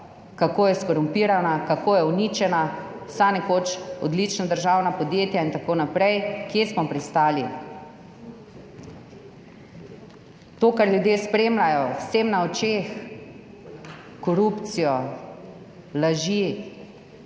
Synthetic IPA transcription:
kakoːjɛskɔɾumpiːɾanakakoːjɛunit͡ʃɛna | sanɛkoːt͡ʃɔd̪lit͡ʃnad̪əɾʒawnapɔd̪jeːt̪jaint̪akoːnapɾɛjkjesmɔpɾist̪aːli | t̪oːkaɾljud̪jeːspɾeːmlajɔwseːmnaɔt͡ʃeːx | kɔɾupt̪sijɔ | laʒi

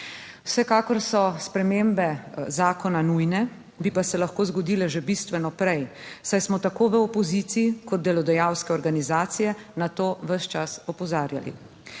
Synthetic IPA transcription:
wsɛkaːkɔɾsɔspɾɛmeːmbɛzaːkɔnanujnɛ | bipasɛlaxkoːzɡɔd̪iːlɛʒebist̪ʋɛnɔpɾɛj | sajsmɔt̪akoːʋəɔpɔziːt̪sijikɔd̪̚d̪ɛlɔd̪ɛjawskɛɔɾɡanizaːt̪sijɛnat̪oːʋəʃt͡ʃasɔpɔzaːɾja̰lḭ

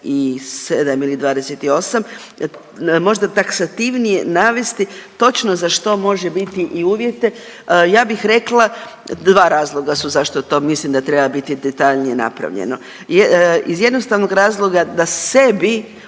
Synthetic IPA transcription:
ised̪amilid̪ʋaːd̪e̞set̪io̞sam | mo̞ʒd̪at̪aksat̪iʋnijḛnaːʋe̞st̪it̪o̞t͡ʃno̞zaʃt̪o̞mo̞ʒebit̪iʔiuːʋje̞t̪e̞ | jaːbixɾe̞klˠa | d̪ʋaːɾaːzlˠo̞ɡasuzaʃt̪o̞t̪o̞mislimd̪at̪ɾebabit̪id̪et̪aʎnije̞na̰pɾa̰ʋʎḛno | izje̞d̪no̞st̪aʋnoɡɾaːzlˠo̞ɡad̪ase̞bi

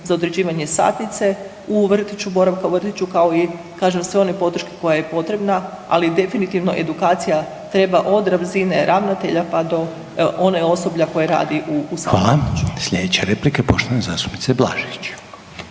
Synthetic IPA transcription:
zao̞d̪ɾed͡ʑiːʋaɲe̞sa̰t̪nit̪se̞ | uʋr̩t̪it͡ɕubo̞ɾaʋkauʋr̩t̪it͡ɕukao̞i | kaːʒemsʋeo̞ne̞po̞d̪ɾ̩ʃke̥ko̞jaje̞po̞t̪ɾe̞bna | a̰lid̪e̞finit̪iʋno̞ʔe̞̰d̪ukaːt̪sija | t̪ɾe̞baʔo̞d̪ɾaʋzine̞ɾʔaʋnat̪e̞ʎapad̪o̞ | ʔoneo̞so̞bʎako̞jeɾa̰ːd̪iʔusaʋaːlˠat͡ʃu̥sʎʲed̪et͡ɕeɾeplikepo̞ʃt̪oanezaːst̪u̥pnit̪seblˠa̰ːʒit͡ɕ

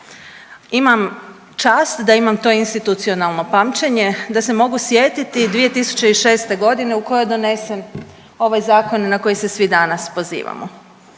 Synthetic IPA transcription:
imam | t͡ʃaːst̪d̪aimamt̪o̞inst̪it̪ut̪sio̞nalˠno̞pamt͡ɕeɲe̞d̪ase̞mo̞ɡusjeːt̪it̪id̪ʋije̞t̪isu̥t͡ɕe̞iʃe̞ːst̪e̞ɡo̞d̪ine̞uko̞jo̞jd̪o̞ne̞se̞n | o̞ʋajzaːko̞nenako̞jese̞sʋid̪anaspo̞zḭːʋa̰mo̰

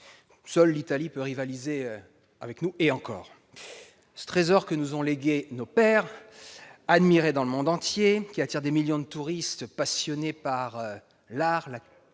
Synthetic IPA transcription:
sœlːit̪alipøʁivalize | avɛknueɑ̃kɔ̰ːʁ | sə̥t̪χezɔʁkənuzɔ̃leɡʲenopɛʁ | ad̪miʁed̪ɑ̃ləmɔ̃d̪ɑ̃t̪jekʲiat̪iʁd̪emiljɔ̃d̪ət̪uʁist̪pasjɔnepaʁø | laʁla

